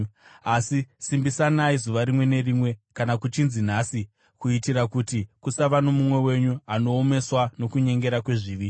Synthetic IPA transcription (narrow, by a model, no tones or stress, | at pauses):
asisimbisanaizuʋaɾimwe̞ne̞rimwe̞kanakut͡ʃinzin̤aːsi | kuitiɾakutikusaʋano̞mumwe̞we̞ɲuano̞ːme̞swano̞kuɲe̞ŋɡe̞ɾakwe̞ʐiːʋi